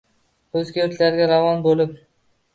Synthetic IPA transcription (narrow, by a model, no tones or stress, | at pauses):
ɵzɡʲet̪ʰlaɾɡʲaɾavɒnbolɪp